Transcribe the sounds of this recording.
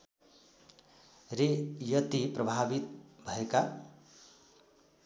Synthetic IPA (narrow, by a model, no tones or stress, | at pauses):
rejʌt̪iprʌbʱabit̪bʱʌeka